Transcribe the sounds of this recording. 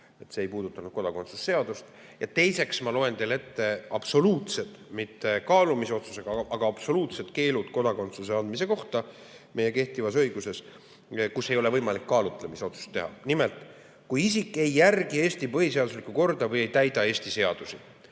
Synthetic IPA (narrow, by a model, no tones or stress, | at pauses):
e̞t̪ːse̞ːjpuːd̪ut̪ːˑɑnud̪̥̚ko̞d̪ɑko̞nt̪su̥sːe̞ɑd̪̥ust̪ | jɑt̪e̞jse̞ksmɑlo̞e̞nt̪e̞let̪ːe̞ɑb̥so̞luːt̪se̞d̪mit̪ːe̞kɑːlumiso̞t̪su̥se̞ɡ̥ɑʔɑɡ̥ɑɑb̥so̞luːt̪set̪ke̞ːludt̪ko̞d̪ɑko̞nt̪suseɑnd̪mise̞ko̞ht̪ɑ | me̞je̞ke̞ht̪ivɑsɤ̞jɡuse̞s | kusːejo̞le̞vɤjmɑlikːɑːlut̪ːˑlemiseo̞t̪su̥st̪ːe̞ɦɑ̰nimelt̪ˑ | kujisikːˑe̞jːærɡ̥ie̞ːst̪ipɤɦise̞ɑd̪uslikːuko̞rd̪ɑvɤje̞jt̪æjd̪ɑe̞ːsʲt̪ise̞ɑd̪̥usi